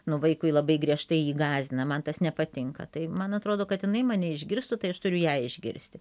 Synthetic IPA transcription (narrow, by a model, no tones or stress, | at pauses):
nʊʋɐɪkʊɪlˠɐbɐɪɡɾʲiɛʃt̪ɐɪiːɡɑːzʲɪnɐmɐnt̪ɐsnʲɛpɐt̪ʲɪŋkɐ̰t̪ɐɪmɐnɐt̪ɾoːd̪oːkɐt̪jɪnɐɪmɑːnʲɛɪʒʲɡʲɪɾst̪ʊt̪ɐɪɐʃt̪ʊɾʲʊjæːɪʒʲɡʲɪ̰ɾʲsʲt̪ʲɪ